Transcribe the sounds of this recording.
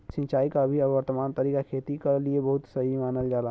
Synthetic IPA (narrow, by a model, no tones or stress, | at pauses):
sɪ̃nt͡ʃaːikabʱiəʋəɾt̪əmaːnt̪əɾiːkakʰeːt̪ikaliebɐɦʊt̪səɦimaːnəld͡ʒaːla